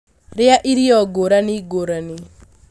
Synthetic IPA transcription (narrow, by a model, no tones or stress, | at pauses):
ɾɪaʔiɾiɔɡoɾaniɡoɾanɪ